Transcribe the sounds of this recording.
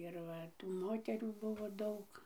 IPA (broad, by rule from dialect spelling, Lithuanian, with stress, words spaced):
ɪr ˈʋɐ tuː ˈmoːtʲɛrʲuː ˈbʊʋoː ˈdɐʊk